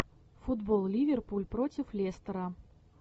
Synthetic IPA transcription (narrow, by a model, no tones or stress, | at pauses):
fʊd̪bolˠlʲivʲerpulʲpɾotʲɪflʲest̪əɾə